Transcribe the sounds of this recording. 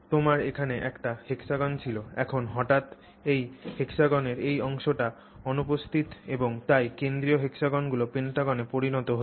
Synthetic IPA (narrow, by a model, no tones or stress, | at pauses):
t̪omaɾekʰaneʔɛkʈahekʃaɡɔnt͡ɕʰiloɛ̰kʰonɦɔʈat̪ | ejhekʃaɡɔneɾejɔŋʃoʈa | ɔnupost̪ʰit̪eboŋt̪ajkend̪ɾioɦekʃaɡɔnɡulopenʈaɡɔnepoɾinɔt̪oɦo